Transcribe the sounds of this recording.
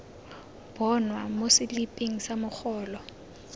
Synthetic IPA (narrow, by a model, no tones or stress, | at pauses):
b̥ɔnwamosɪlipʼeŋ̩samʊk͡xʰɔːlɔ